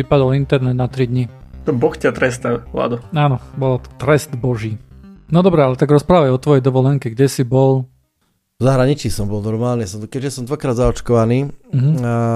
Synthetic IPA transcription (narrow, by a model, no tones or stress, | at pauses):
ipad̪ɔlint̪ɛɾnɛd̪̚nat̪ɾid̪ɲit̪ɔbɔxcʲat̪ɾɛst̪ala̰ːd̪ɔaːnɔbɔlat̪t̪ɾɛsd̪bɔʒiːnɔd̪ɔbɾɛalɛt̪aɡɾɔspɾaːʋajɔt̪ʋɔjɛjd̪ɔʋɔlɛŋkɛɡɟɛsibɔl | zaɦɾaɲit͡ʃiːsɔmbɔlˠnɔɾmaːlnisɔmkɛʒɛsɔmd̪ʋakɾaːd̪zaɔt͡ʃkɔʋaniːɦ̩